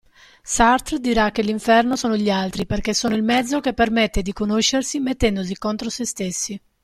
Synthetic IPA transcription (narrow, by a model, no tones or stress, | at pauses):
sart̪ɾd̪iɾak̟ːeliɱfɛrnosoːnoʎialt̪ɾiperk̟esːoːnoilmɛd̪zːok̟epːermet̪ːed̪ikonoʃːersimet̪ːɛnd̪os̬ikont̪ɾosest̪esːi